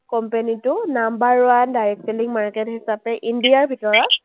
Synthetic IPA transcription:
kɔmpenitʊnambaɹwandajɛk̚seliŋmaɹkethisapɛʔindijaɹbʱitɔɹɔk̚

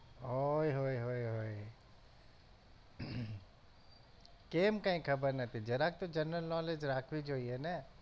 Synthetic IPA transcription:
ɦoiɦoːiɦoːiɦoːi | keːmkãĩkʰɐbəɾnɐt̪ʰid͡ʒɐɾaːk̚t̪od͡ʒɐnːəlnɔːled͡ʒɾaːkʰʋid͡ʒɦoiɦɛːnɛ

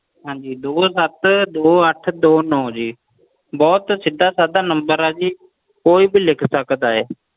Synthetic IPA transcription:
ɦãːd͡ʒiːd̪oːsət̪d̪oːəʈʰd̪oːnɔ̃ːd͡ʒiː | bɔːt̪sɪd̪aːsaːd̪aːnəmbəɾaːd͡ʒiː | koːiːbilɪkʰsəkd̪aːɦɛː

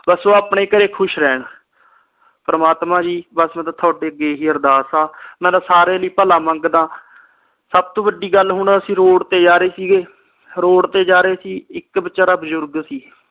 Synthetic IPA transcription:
bəsoːaːpɳeːkəɾeːkʰʊʃɾɛːɳ | pəɾəmaːt̪mãːd͡ʒiːbəsmɛ̃ːt̪ãːt̪ʰoaːɖeːəɡeːɦiːəɾd̪aːsaːmɛ̃ːd̪aːsaːɾeːləiːpəlaːməŋɡd̪ãː | səb̚t̪õːbəɖːiːɡəlɦʊɳəsĩːɾoːɽt̪eːd͡ʒaːɾeːsiːɡeː | ɾoːɽt̪eːd͡ʒaːɾeːsiːɪkbət͡ʃaːɾaːbəzʊɾɡsiː

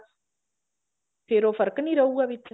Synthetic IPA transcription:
peɾofaɾkəniɾauaβit͡sː

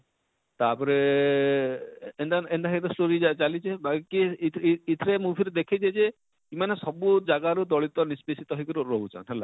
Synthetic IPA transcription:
t̪apɔɾe | endaendaɦit̪ɔsʈoɾid͡ʒat͡ʃalit͡ʃʰebakikiː | t̪ʰɾemubʱiɾed̪ekʰit͡ʃʰed͡ʒe | kimanesɔbud͡ʒaɡaɾud̪ɔɭit̪ɔnisbisit̪ɔɦɔjkuɾuɾɔɦut͡ʃʰã̰nɦela̰

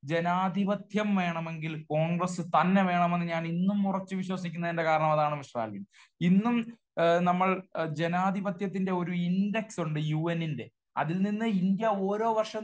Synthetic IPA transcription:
d͡ʑe̞naːd̪ʱibɐt̪ʰjɐmʋe̞ːɳɐme̞ŋɡilko̞ːŋɡrɐsɨt̪ɐnːe̞ʋe̞ːɳɐme̞nːɨɲaːninːumurɐt͡ɕːɨʋiɕwɐsikʲːunːɐðende̞kaːɾɐɳɐmɐðaːɳɨmiɕra̰ːlbin | inːum | nɐmːɐɭd͡ʑe̞naːd̪ʱibɐt̪ʰjɐt̪ːinde̞o̞ɾuinde̞ksuɳɖɨjuːenːinde̞ | ɐ̰ðilninːɨind̪jɐo̞ːɾo̞ːʋɐrʂɐ

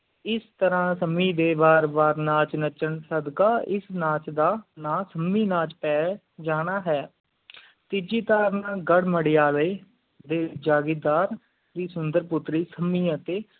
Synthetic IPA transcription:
ɪst̪əɾãːsəmiːd̪eːbaːɾbaːɾnãːt͡ʃnət͡ʃəɳsəd̪kaːɪsnãːt͡ʃd̪aːnãːsəmiːnãːt͡ʃpɛː | d͡ʒaːɽ̃aːɦɛː | t̪ɪd͡ʒiːt̪aːɾnãːɡəɽməɽiːaːleː | d̪eːd͡ʒaːɡɪːd̪aːɾ | d̪iːsʊnd̪əɾpʊt̪ɾiːsəmiːãt̪eː

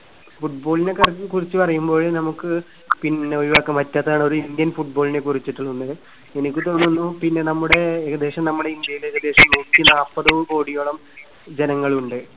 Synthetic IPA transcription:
fuʈbo̞ːɭine̞kɐrkurit͡ɕːɨpɐrɐjumbo̞ːɭnɐmukːɨ | pinːeojʋaːkːɐmɐtːɐt̪ːɐaːɳo̞ɾuind̪jɐnfuʈ̚bo̞ːline̞kurit͡ɕːiʈːuɭːunːɨ | enikʲːɨt̪o̞ːnːunːupinːe̞nɐmːuɽe̞ɐd̪eːʂɐmnɐmːuɽe̞ind̪jɐjilekːɐd̪eːʂɐmnuːtːinaːpːɐðɐʋɨko̞ːɽijoɭɐm | d͡ʑenɐŋːɐɭuɳɖɨ

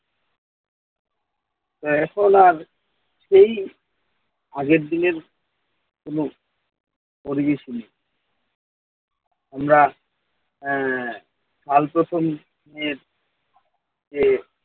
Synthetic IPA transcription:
t̪oɛkʰonaɾ | ʃej | aɡeɾd̪ineɾ | kono | poɾibeʃinej | amɾa | ʃʰalpɾot̪ʰom | eɾ | d͡ʒe

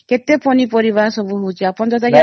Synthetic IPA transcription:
ket̪epɔnipɔɾibaɦɔsɔbuɦowt͡ʃʰiapɔnt̪ɔt̪ak

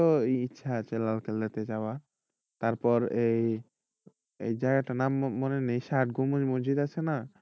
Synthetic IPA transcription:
oitːʃʰat͡ʃelalkelet̪ed͡ʑaa | t̪aɾpɔɾej | ḛjd͡ʑaɡaʈanamːɔnenejʃaʈ̚ɡomumod͡ʑid̪at͡ʃʰena

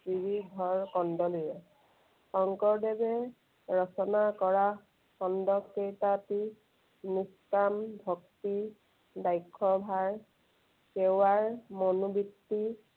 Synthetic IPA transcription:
ɹibiɡʱɔɹkɔndɔlujɛ | xɔŋkɔɹdɛbɛ | ɹɔsɔnakɔɹa | xɔndɔkkejtati | niskambʱɔk̚ti | dajkʰːɔbʱaɹ | kewaɹmɔnubitːi

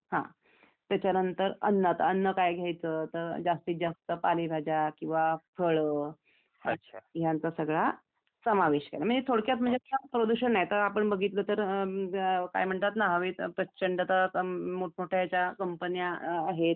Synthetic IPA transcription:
hã̰ | t̪jat͡ɕanənt̪əɾə̰nːət̪ənːəkajɡʱjajt͡sət̪əɾd͡zast̪iːd͡zast̪əpalibʱad͡ʑakĩw̃ʋafʰəɭə | ətːɕʰaɦjãnt͡sasəɡɭa | səmaʋeɕkḛlaməɳd͡zet̪ʰoɽkjat̪̬m̤əɳd͡zeapɾod̪uɕəɳnːajet̪əɾapəɳbəɡʱit̪lət̪əɾ | ka̰jm̤əɳʈ̪at̪naɦaʋit̪pɾət͡ɕəɳʈat̪amoʈʰmoʈʰajat͡ɕjakəmpənijaːɦet̪̚

